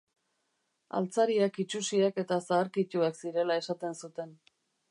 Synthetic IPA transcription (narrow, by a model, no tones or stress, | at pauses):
a̰lt͡saɾiakit͡ʃusiake̞t̪asaːɾkit̪uaksiɾe̞lae̞sat̪e̞nsut̪e̞n